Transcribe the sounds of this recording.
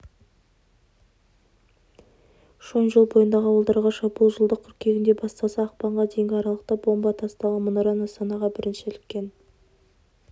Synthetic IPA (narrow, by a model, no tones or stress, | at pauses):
ʃonʒəlˠbo̞jənd̪ɑʁəɑwəlˠd̪ɑɾʁɑʃɑbulˠʒəlˠd̪əqʲʰʏɾkʲʰe̞ɡʲɪnd̪e̞bɑst̪ɑsɑɑqpɑɴʁɑd̪e̞jɪŋɡʲɪɑɾɑlˠəq̚t̪ɑbo̞mbɑt̪ʰɑst̪ɑlˠəmʊnɑɾɑnɑst̪ɑnɑʁɑbɪɾɪnʃɪlɪkʲːe̞n